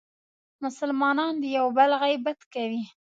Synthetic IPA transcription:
mʊsəlmɑnɑnd̪əjawbəlɣajbat̪kawi

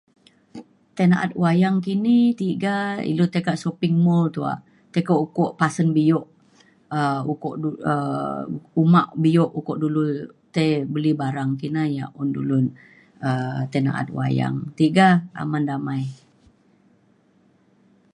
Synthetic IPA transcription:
t̪enaʔa̰t̪̚wajaŋkinit̪iʔɡaḭlut̪ekaʔsopɪŋmɔlt̪ua̰ʔ | t̪ekoʔukɔʔpasənbijɔʔ | əukɔʔuə | umaʔbijɔʔukɔʔdulut̪abəlibaɾaŋkinaja̰ʔɔndṵlʊn | ət̪ɛna̰ʔa̰t̪̚w̰a̰ja̰ŋt̪iʔɡaa̰mandamaj

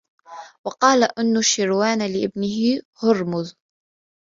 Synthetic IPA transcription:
wɑqɑːlaʔɪnːʊʃɪɾwaːnlɪʔɪbnɪɦɪhʊɾmʊð

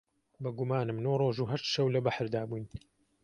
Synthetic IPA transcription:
bɨɡumaːnɨmnoːroːʒuːɦɐʃt̪ʃɐwlɐbaħɾd̪aːbujn

